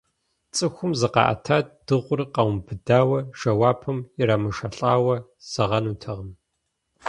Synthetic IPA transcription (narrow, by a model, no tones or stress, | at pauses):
t͡sʼɨxʷʊmzɨqɑ̰ʔɐ̰tʰaːt̚d̥ɨʁʷʊrqɐwmbɨdaːwɐʒɐwaːpʰɨmjɪraːmɨʂɐɬʼaːwɐ | z̥ɐʁɐnuːtʰɐʁɐm